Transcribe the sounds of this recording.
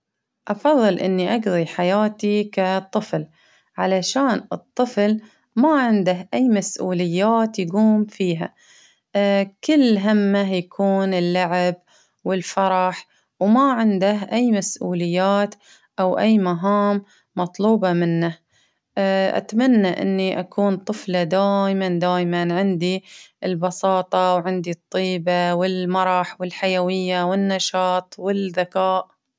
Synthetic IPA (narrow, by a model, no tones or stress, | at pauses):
ʔɑfɑðˤːɨlʔɪ̰nːiʔɑɡðˤiħajaːt̪ikat̪ˤːɨfl | ʕalaʃaːnɨt̪ˤːɨfl | maʕɪnd̪ahʔajːmasʔuːlɪjːaːt̪jaɡuːmfiːɦa̰ | kɪlːɦamːajakʰuːnɪlːaʕɪb | wɪlfɑɾˤɑħ | wmaʕɪnd̪ahʔajːmasʔuːlɪjːaːt̪ | ʔawʔajːmaɦaːmː | ɑt̪ˤluːbɑmɪnːa | ʔa̰t̪manːaʔɪ̰nːiʔakʰuːnt̪ˤɨflad̪aːʔmand̪aːjmanʕɪnd̪iʔɪlbɑsɑːt̪ˤɑwʕɪnd̪it̪ˤːiːbawɪlmɑɾˤɑħwɪlħajawɪjːawɪnːɑʃɑːt̪ˤwɪlðakaːʔ